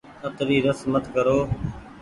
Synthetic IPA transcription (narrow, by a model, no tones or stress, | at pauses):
ət̪ɾiːɾəsmət̪kəɾoː